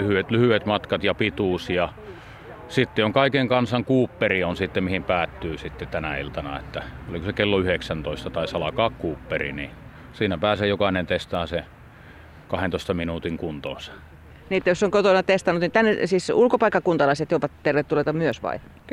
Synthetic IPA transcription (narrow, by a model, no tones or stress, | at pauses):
yhyet̪lyhyet̪mɑt̪kɑt̪jɑpit̪uˑsjɑ | sit̪ːeoŋkɑikeŋkɑnsɑŋkuːpːerionsit̪ːemihimpæːt̪ːyːsit̪ːet̪ænæilt̪ɑnɑ̰ḛt̪ːæolikosekelːoyheksænt̪oist̪ɑt̪ɑisɑlɑkɑːkkuːpːerḭni | siːnæpæːseːjokɑinent̪est̪ɑːse | kɑhent̪oˑist̪ɑminuːt̪iŋkunt̪o̰ːsɑ̥ | niːet̪ːæjosːoŋkot̪onɑt̪est̪ɑnut̪nit̪ænːesiːsulkopɑikːɑkunt̪ɑlɑiset̪joupɑt̪t̪erʋet̪t̪ːulet̪ɑmyøsʋɑ̰i